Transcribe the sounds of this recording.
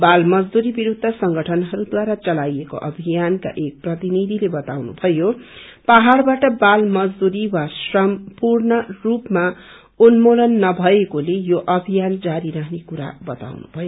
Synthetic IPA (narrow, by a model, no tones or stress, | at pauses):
balmʌd͡zd̪uɾibiɾud̪ʱːʌsʌŋɡʌʈʰʌnɦʌɾud̪waɾat͡sʌlajeko̰ʔʌbʱijanka̰ʔek̚prʌt̪inid̪ʱilebʌt̪awnṵbʱʌjo | paɦarbaʈʌbalmʌd͡zd̪uɾiwasrʌmpurnʌrupma | unmolʌnːʌbʱʌekolejoʔʌbʱijand͡zaɾiɾʌɦnekuɾa̰bʌt̪a̰wnṵbʱʌjo